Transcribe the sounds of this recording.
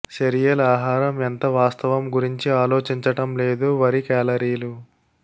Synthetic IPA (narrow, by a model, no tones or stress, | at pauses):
seɾijɐlaːɦaːɾɐment̪ɐʋaːst̪ɐʋɐmɡuɾiɲt͡ʃiaːlo̞ːt͡ʃiɲt͡ʃɐʈɐmle̞ːd̪uʋɐɾikaːlɐɾiːlu